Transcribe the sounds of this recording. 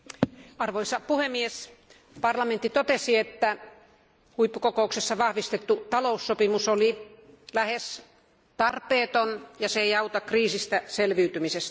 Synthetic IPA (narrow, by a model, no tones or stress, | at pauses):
ɑrʋoisɑpuhemːies | pɑrlɑment̪ːit̪ot̪esiet̪ːæ | huipːukokouksesːɑʋɑhʋist̪et̪ːut̪ɑlousːopimusolilæhes | t̪ɑrpˑeːt̪onjɑsejɑut̪ɑkriːsist̪æselʋiːt̪ymisest̪